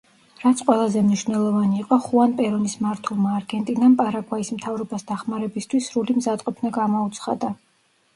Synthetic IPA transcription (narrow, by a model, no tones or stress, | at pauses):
ɾat̪sʰqʼwɛlˠazɛmniʃvnɛlˠɔvaniːqʼɔχuanpʼɛɾɔnismaɾt̪ʰulˠmaːɾɡɛnt̪ʼinampʼaɾaɡwaismt̪ʰavɾɔbasd̪aχmaɾɛbist̪ʰwisɾulimzat̪ʼqʼɔpʰnaɡamɔut̪sʰχa̰d̪a